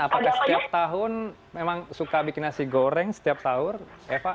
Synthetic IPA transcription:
apakahsə̥t̪iap̚t̪aɦʊn | memaŋsukabikinasiɡoɾɛŋsə̥t̪iap̚saʊr | efa

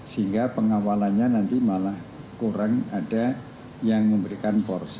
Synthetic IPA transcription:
siŋɡapəŋawalanɲanant̪imalah | kuɾaŋada | jaŋməmbəɾikanpɔrs

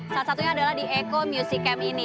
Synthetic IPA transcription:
salusat̪uɲaːdalahdiekomjusikɛmini

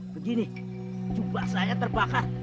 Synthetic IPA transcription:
bəɡini | t͡ʃubasajat̪əɾbakar

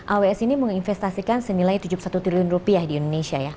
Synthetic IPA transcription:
ʔaweɛsiniməŋinfɛst̪asikansənilajt̪ud͡ʒupusat̪ut̪iliʊnrupiahdiindonesiaja

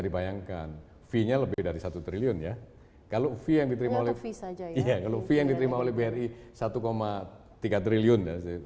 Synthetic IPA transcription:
dibajaŋkan | fiɲaləbɪhdaɾisat̪ut̪ɾiliʊnja | kalofijaŋdit̪əɾimaolɛfisad͡ʒaijakalofijaŋdit̪əɾimaolɛhbeɛri | sat̪ukoma | t̪iɡat̪ɾiliʊnjasɪ

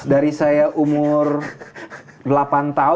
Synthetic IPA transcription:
daɾisajaʔumʊr | dlapant̪a

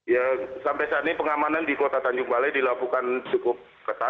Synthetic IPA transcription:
jasampajsanipəŋamanandikot̪at̪aɲd͡ʒuŋbalajdilakukant͡ʃukʊp̚ | kət̪a

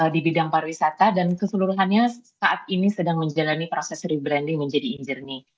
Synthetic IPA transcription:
ədibidaŋparwisat̪adankəsəluɾuɦanɲasaʔat̪̚inisədaŋməɲd͡ʒalanipɾosɛsɾibɾɛndɪŋməɲd͡ʒadiːɲd͡ʒirni

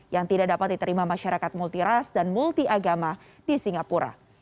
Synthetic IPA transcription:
jaŋt̪idak̚dapat̪̚dit̪əɾimamaʃaɾakat̪̚mult̪iɾasdanmult̪iʔaɡama | disiŋapuɾa̰

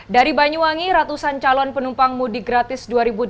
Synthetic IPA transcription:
daɾibaɲuaŋiɾat̪usant͡ʃalɔnpənumpaŋmudiɡɾat̪ɪsduaɾibu

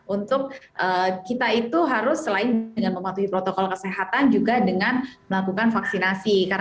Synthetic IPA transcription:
unt̪ʊk̚ʔəːkit̪ait̪uɦaɾʊsːəlaɪnəŋanməmat̪uhipɾot̪okɔlkəseɦat̪and͡ʒuɡadəŋanməlakukanfaksinasikaɾ

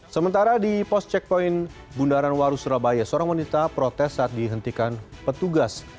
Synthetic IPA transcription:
səmənt̪aɾadipɔst͡ʃɛk̚poin | bundaɾanwaɾusuɾabajasəoɾaŋwanit̪apɾot̪ɛsːaːt̪̚diɦənt̪ikanpət̪uɡas

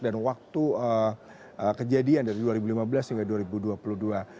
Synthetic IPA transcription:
danwak̚t̪uə | əkəd͡ʒadiandaɾiduaɾibulimabəlashiŋɡaduaɾibuduapuludua

